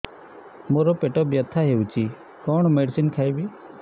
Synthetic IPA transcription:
moɾɔpeʈɔbjət̪ʰːaɦewt͡ʃʰi | kɔɳ̃meɖsinkʰajbi

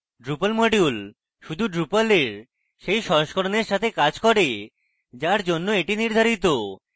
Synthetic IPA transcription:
ɖɾupalmoɖjul | ʃud̪ʱuɖɾupaleɾ | ʃejʃɔoʃkoɾoneɾʃat̪ʰekad͡ʑkɔɾe | d͡ʑaɾd͡ʑonːoeʈiniɾd̪ʱaɾit̪o

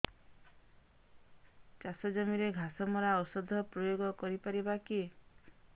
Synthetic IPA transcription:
t͡ʃasɔd͡ʒɔmiɾeɡʱasɔmɔɾaɔsɔd̪ʱɔpɾɔjoɡɔkɔɾipaɾibaki

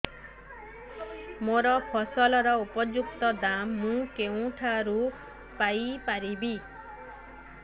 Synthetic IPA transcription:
moɾɔpʰɔsɔlɔɾɔupɔd͡ʒukt̪ɔd̪amːũkeũʈʰaɾu | pajpaɾibi

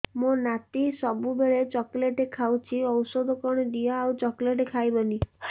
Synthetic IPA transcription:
monat̪isɔbubeɭet͡ʃɔkleʈekʰawt͡ʃʰiɔwsɔd̪ʱɔkɔɽ̃ɔɖiaawt͡ʃɔkleʈekʰajbɔni

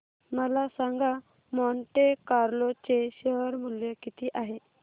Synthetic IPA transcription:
məlasaŋɡa | mɔɳʈekaɾlot͡seɕəɦəɾmuljəkit̪ʰiːʔaɦe

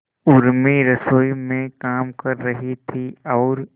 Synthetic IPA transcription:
ʊɾmiɾɐsoːimẽkaːmkɐɾːɐɦit̪ʰiɔːɾ

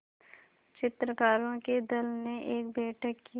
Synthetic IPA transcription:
t͡ʃɪt̪ɾəkaːɾõked̪ɐlneʔeːkbeːʈʰəkːi

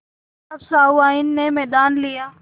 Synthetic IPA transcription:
ɐbsaːuaːɪnːemɛːd̪aːnlijaː

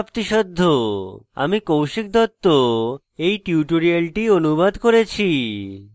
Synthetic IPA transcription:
pt̪iʃɔd̪ʱːoa̰mikowʃik̚d̪ɔt̪ːo | ejʈiuʈoɾialʈionubad̪koɾet͡ɕʰi

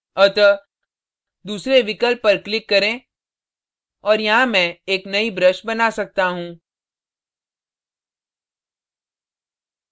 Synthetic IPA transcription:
ɐt̪ɔ | d̪uːsɾeʋɪkəlpːɐɾklɪkːɐɾẽ | ɔːɾjɐɦãmɛ̃ːeːknɐibɾəʃbɐnasɐk̚t̪aɦũː

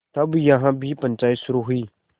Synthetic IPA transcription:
t̪ɐbjɐɦãbʱipə̃nt͡ʃaːjt̪sʊɾuɦʊiː

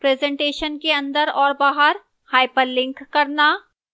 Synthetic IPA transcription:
pɾɛːzɛ̃ːɳʈeːʃənkeɐ̃nd̪əɾɔːɾbaːɦəɾ | haːɪpəɾlɪ̃ŋkːɐɾna

